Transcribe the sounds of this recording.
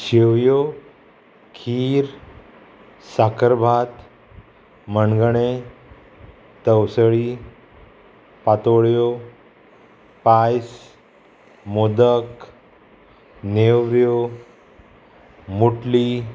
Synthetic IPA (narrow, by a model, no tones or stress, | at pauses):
ɕeʋjo | kʰiːɾ | sakəɾbʱat̪ | mənɡɳe | t̪əwsəɭi | pat̪oɭjo | pajs | mod̪ək | newɾjo | muʈli